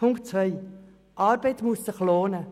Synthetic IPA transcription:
ʊŋk̚t͡sʋœɪ | ʔɑːɾbɛɪtmuəssɪχloːnə

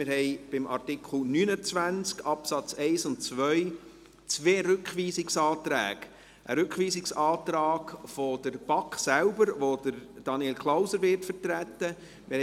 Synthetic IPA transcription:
mɪɾhɛɪb̥ɪmʔɑ̰rtɪkʰl̩nyːnət͡sʋænt͡skɑpsɑt͡sɛɪsʊntt͡sʋœj | t͡sʋeːɾʏkχʋiːsɪksɑːtɾæ̰ːɡ̥ | ʔəɾʏkχʋiːsɪksɑːt̪ɾɑːkfod̥əɾb̥ɑksælbəɾʋod̪əɾd̥ɑnielkʰlaʊsəɾʋɪrtfəɾtɾæt̪ːə | mʔɪh

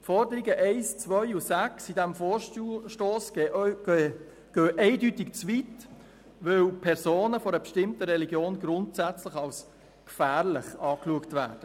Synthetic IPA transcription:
fɔɾdəɾiɡəʔɛɪst͡sʋœʏusæksidæmfoːʃʃtoːs | ɡ̥øːʔɛɪdytɪkt͡svit | vœwpʰɛɾsoːnəfɔɾəbəʃtɪmtəɾɛliɡjoːnɡɾʊntsæt͡slɪχɑls | kfæːrlɪχɑːkluəktvæːɾd̥ə

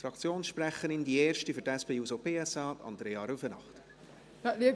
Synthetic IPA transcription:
fɾɑkt͡sjoːnsʃprɛχənɪndieːrʃtifyɾtɛspeːjuːsopʰeːɛsɑːtɑ̰ndɾeːɑɾufənɑ̰χt | naliə

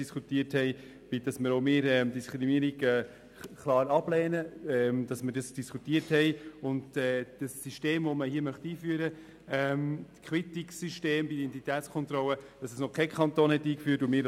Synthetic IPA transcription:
iskutiəthɛɪ | b̥ɪd̥ɑsməɾoʊmɪːɾɛmdiskɾimiəɾiɡɛː | klɑːɾɑb̥lɛːnəɛmd̥ɑsməɾdɑsd̥iskutiəɾthɛɪʊndɛːd̥əsːiʃteːmvoməhiːəmœχtiːfyəɾə | ɛmkχwɪtiksyʃteːmbiidɛntitɛːtt͡skʰɔnt̪ɾɔləd̥ɑsəsnɔkʰɛɪkχɑnt̪oːnhɛtiːkfyːtʊmɪːɾ

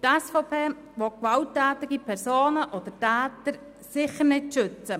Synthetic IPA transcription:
tɛsfopʰeː | ʋɔkʋaltːɛːtɪɡipʰɛɾsoːnəʔɔd̥̪ətɛːtəɾ | sɪχəɾnɪtʃʏt͡sə

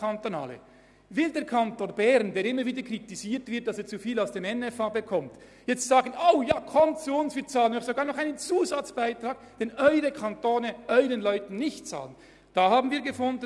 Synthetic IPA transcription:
antona̰ːlə̰ | vɪldeːɐkʰantoːnbɛɾndeːɐɪmːəɾviːdəkr̥itiziːtv̥ɪt̚d̥ɑseːt͡sufiːlaʊsd̥eːmɛnɛfabəkʰɔmt | jɛt͡sstz̥aːɡənʔoʊjaːkʰɔmt͡suʊnsv̥iːɐt͡saːlənɔʊxsoɡaːɐnɔχaɪnənt͡suːzat͡sb̥aɪtʁaːɡ̥ | d̥ɛnʔɔʏʁəkʰantoːnəʔœʏʁənlɔʏtn̩nɪçtt͡sa̰ːlən | d̥aːhaːbn̩viːɐɡəfʊnd

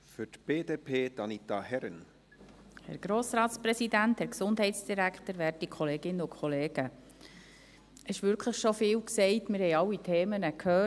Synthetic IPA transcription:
fytb̥eːdeːpʰeːd̥̪ɑnit̪ɑhɛɾən | hɛ̰ɾɡ̥ɾoːsɾɑːtspɾɛsidænthɛɾksʊnd̥ɦhɛɪtsd̥iɾækχtəɾʋɛːɾtikʰχɔleːɡɪnːəʊkʰχɔleːɡ̥ə | ɛɪʃʋʏɾkʰləχʃofɪːwksɛɪtmɪɾhɛɪɑwitʰeːmənəkʰhøː

